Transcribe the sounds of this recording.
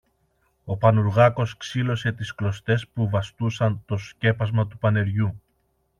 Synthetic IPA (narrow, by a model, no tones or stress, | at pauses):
o̞pɐnuɾɣɐko̞sksilo̞se̞t̪isklo̞st̪e̞spuvɐst̪usɐnt̪o̞sce̞pɐzmɐt̪upɐne̞ɾʝu